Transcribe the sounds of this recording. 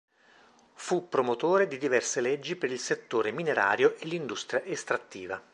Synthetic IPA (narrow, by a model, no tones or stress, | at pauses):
fupːɾomot̪oːɾed̪id̪ivɛrseled͡ʒːipeɾilset̪ːoːɾemineɾa̰ːɾjoʔelːind̪ust̪ɾjaʔest̪ɾat̪ːiːva